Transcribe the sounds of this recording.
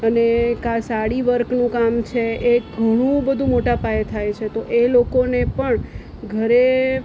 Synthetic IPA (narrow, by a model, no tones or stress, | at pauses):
ənekasaɽiʋəɾknũkamt͡ʃʰeeɡʱəɽ̃ũbəd̪ʱũmoʈapaet̪ʰajt͡ʃʰet̪oʔelokonepəɳ | ɡʱəɾe